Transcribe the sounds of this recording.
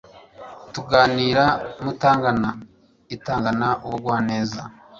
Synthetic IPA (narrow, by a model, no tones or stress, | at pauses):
tuɡaːniːɾamutaːŋɡana | itaːŋɡanaʔuwoɡwaːne̞ːza